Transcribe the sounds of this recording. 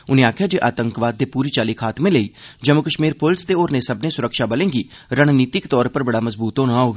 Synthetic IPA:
ʊnẽːaːkʰjaːd͡ʒeːʔaːt̪əŋkʋaːd̪̚ːeːpuːɾiːt͡ʃaːlikʰaːt̪mẽːləiːd͡ʒəmʊkəʃmiːɾpʊlɪst̪eːoːɾnẽːsəbnẽːsʊɾəkʃaːbəlẽːŋɡiːɾəɽ̃niːt̪ɪkt̪ɔːɾpəɾbəɽaːməzbuːt̪ɦoːnãːɦoːɡaː

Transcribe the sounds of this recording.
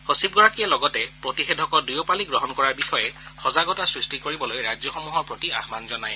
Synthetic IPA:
hosib̚ɡɔɹakiɛlɔɡɔtɛpɹotixedʱɔkɔɹdujɔpaliɡɹɔɦɔnkɔɹaɹbixɔjɛxɔzaɡɔtasɹisʈikoɹibɔlojɹad͡ʒjɔxomuɦɔɹpɹotia̰hmanzɔnaj

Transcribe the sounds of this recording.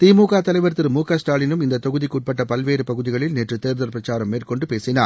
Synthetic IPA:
t̪iːmuːkaːt̪ɐlɐɪʋɐɾt̪ːɯɾɯmuːkaːsʈaːlɪnɯmɪnd̪ɐt̪ːɐɣɯðikːuːʈ̚pɐʈːɐpɐlʋeːɾɯpɐɣɯðɪɣɐɭɪlneːʈrɯt̪eːɾðɐɾpɾɐt͡ʃːaːɾɐmːeːrkɔɳɖɯpeːsɪnaː

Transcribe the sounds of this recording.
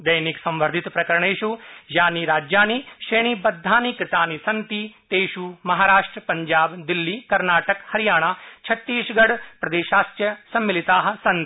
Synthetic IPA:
d̪ɐjniksɐ̃mʋəɾd̪ʱɪt̪pɾɐkɐɾɳ̃eːʃujaːniɾaːd͡ʒjaːniːʃeːɽ̃iːbɐd̪ʱːaːniːkɾɪt̪aːniːsɐnt̪iːt̪eːʃuːmɐɦaːɾaːʂʈɾəpɐɲd͡ʒaːbd̪ɪlːiːkɐɾnaːʈəkhɐɾijaːɽ̃aːt͡ʃʰɐt̪ːiːʃɡɐɽpɾɐd̪eːʃaːst̪jɐsɐ̃mːɪlɪt̪aːɦsɐ̃nt̪

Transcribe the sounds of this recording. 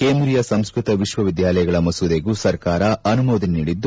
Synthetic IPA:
keːnd̪ɾijɐsɐmskɾut̪ɐʋiʃʋɐʋid̪jaːlɐjɐɡɐɭɐmɐsud̪eɡusɐɾkaːɾɐɐnumoːd̪inniːɽid̪ː

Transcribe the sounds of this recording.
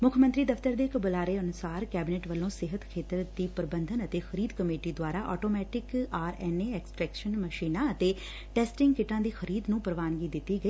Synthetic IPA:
mʊkʰmənt̪ɾiːd̪əft̪əɾd̪eːɪkbʊlaːɾeːənʊsaːɾkɛːbɪnɛːʈʋəlːõːsɪɦət̪kʰeːt̪əɾd̪iːpəɾbənd̪ʱənət̪eːxʰəɾiːd̪kəmeːʈiːd̪waːɾaːʔɔ̰ːʈoːmɛːʈɪkaːɾɛːneːɛːksʈɾɛːkʃənməʃiːnaːət̪eː | ʈɛːsʈɪŋɡkɪʈãːd̪iːxʰəɾiːd̪nũːpəɾʋaːnɡiːd̪ɪt̪ːiːɡəiː

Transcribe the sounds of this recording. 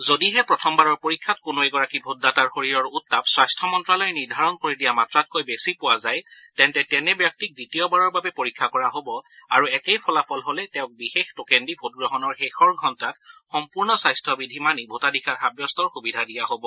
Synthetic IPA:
zodiɦɛpɹɔtʰɔmbaɹɔɹpoɹikʰːat̚kʊnoɛɡɔɹakibʱodːataɹxoɹiɹɔɹutːapswajstʰɔmɔntɹalɔjniɹdʱaɹɔnkoɹidijamatɹat̚kojbesipʊwazajtɛntɛtɛnɛbjɔk̚tik̚ditijɔbaɹɔɹbabɛpoɹikʰːakɔɹaɦobɔaɹuɛkejpʰɔlapʰɔlɦolɛtɛʊ̃k̚bixextokendibʱot̚ɡɹɔɦɔnɔɹxexɔɹɡʱɔntatxɔmpuɹnɔsajstʰɔbidʱimanibʱotadixʰatxabjɔstɔɹxubidʱadijaɦobɔ

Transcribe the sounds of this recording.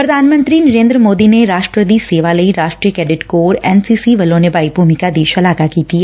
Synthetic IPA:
pɾəd̪ʱaːnmə̃nt̪ɾiːnəɾẽːnd̪ɾəmoːd̪ineɾaːʃʈɾəd̪iːseːʋaləiɾaːʃʈɾijəkɛːɖɪʈkoːɾɛːnsiːsiʋɐlõnebaːibʱuːmɪkad̪iːʃɐlaːɡakiːt̪iɛ

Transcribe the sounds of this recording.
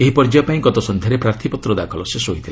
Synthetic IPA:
eɦipɔɾd͡ʒajɔpaĩɡɔt̪ɔsɔnd̪ʱjaɾepɾaɾt̪ʰipɔt̪ɾɔd̪akʰɔlɔsesɔɦit̪ʰila

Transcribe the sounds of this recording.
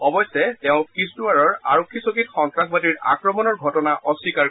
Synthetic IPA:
ɔbɔjsːɛtɛʊ̃kistuaɹɔɹa̰ɹokʰːisokitxɔŋtɹakbadiɹa̰kɹɔmɔnɔɹɡʱɔtɔnaʔɔsːikaɹ

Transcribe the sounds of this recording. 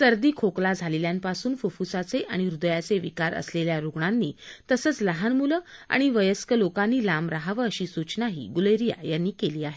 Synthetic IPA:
səɾd̪iːkʰoklad͡zʱaleljãmpasuːnfufusat͡seʔaɽ̃iɾud̪əjat͡seʋikaɾə̰sleljaɾuɡɳanːiːt̪əsəːt͡sləɦanmuləa̰ɽ̃iʋəjəskəlokanːiːlamɾaɦaʋəːəɕiːsut͡ɕnaɦḭːɡuləjɾija̰janːiːkeliːaɦe

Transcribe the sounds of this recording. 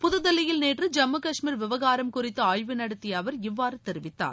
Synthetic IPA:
pʊðɯðɐlɪjɪlneːʈrɯd͡ʒɐmːɯkɐʂmiːɾʋɪʋɐɣaːɾɐmkʊrɪt̪ːɯaːjʋɯnɐɽɯt̪ːɪjaːʋɐɾɪʋːaːɾɯt̪ɛɾɪʋɪt̪ːa̰ːɾ

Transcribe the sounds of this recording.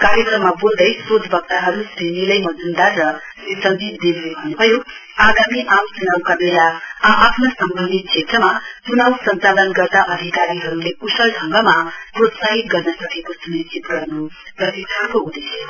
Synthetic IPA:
kaɾjekrʌmːabold̪ʌjspod̪ʱbʱʌk̚t̪aɦʌɾusinilʌjmʌd͡zund̪aɾʌ | sʌnd̪id͡zd̪enebʱʌnːubʱʌjo | aɡamiʔamt͡sunawkabelaaɦapʰnʌsʌmbʱʌnd̪it̪̚t͡ʃʰet̪rʌmat͡sunawsʌnt͡salʌnɡʌrt̪aʔʌd̪ʱikaɾiɦʌɾulepusʌlɖʱʌŋɡʌmaprot̪saɦit̪ɡʌrnʌsʌkekosunissit̪ɡʌrnu | rʌsiakoud̪es

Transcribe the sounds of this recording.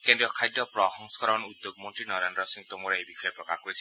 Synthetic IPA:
kendɾijɔkʰajdɔpɾɔɦɔŋsɔ̥kɔɾɔnud̪ok̚mɔntɹinɔɾanɾɔsiŋt̪omɔɾaebixʰɔjɔpɾɔkakɔɾisʰ

